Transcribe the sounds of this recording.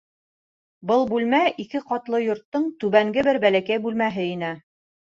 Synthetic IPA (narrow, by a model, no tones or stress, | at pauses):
bɤlˠbʉlmæʔikɘqɑt̪lˠɤjŏɾt̪ːɤɴt̪ʉβæŋɡɘbɘɾbælækæjbʉlmæɦɘinɘ